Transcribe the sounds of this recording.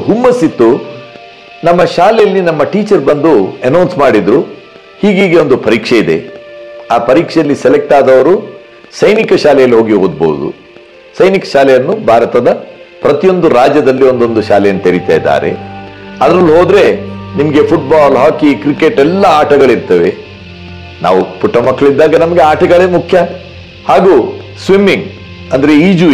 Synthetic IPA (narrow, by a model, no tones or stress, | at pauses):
ɦumːɐsit̪ːu | nɐmːɐʃaːlɛjɐlːinɐmːɐʈiːt͡ʃɐɾbɐnd̪uenɐwnsmaːɽid̪ɾu | hiːɡiːɡe̞o̞nd̪upɐɾiːkʂeid̪e̞̰ | aːpɐɾiːkʂɛjɐlːisɛlek̚ʈaːd̪ɐʋɐɾu | sɐjnikɐʃaːlɛjɐlːiɦo̞ːɡiɦo̞ːd̪̚bo̰wud̪ṵ | sɐjnikɐ̥ʃaːlɛjɐnːubʱaːɾɐt̪ɐd̪ɐ | pɾɐt̪ijo̞nd̪uɾaːd͡ʒjɐd̪ɐlːio̞nd̪o̞nd̪uʃaːlɛjɐnːut̪iɾit̪a̰ːjd̪a̰ːɾe̞̰ɐd̪ɾɐlːuɦo̞ːd̪ɾe̞nimɐɡe̞pʰuʈ̚baːlɦaːkikɾike̞ʈɛlːɐaːʈɐɡɐɭiɾt̪ɐʋe | na̰ːʋupuʈːɐmɐkːɐɭid̪ːaːɡɐnɐmɐɡe̞aːʈɐɡɐɭeːmukʰjɐ | haːɡuːsʋimːiŋ | ɐnd̪ɐɾe̞iːd͡ʒu